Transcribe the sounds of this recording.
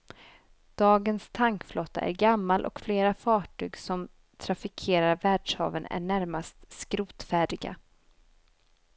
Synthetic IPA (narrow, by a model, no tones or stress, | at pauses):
d̪̥ɑːɡənst̪ʰaŋkflɔt̪ːa̰ʔæ̰ɾɡamːalʔɔ̰kfleːɾafɑːʈʰyːɡsɔm | t̪ʰɾafɪkʰeːɾaɾvæːɖʂhɑ̰ːvənæ̰ɳæɾmast̪skɾuːt̪fæːɖɪɡa̰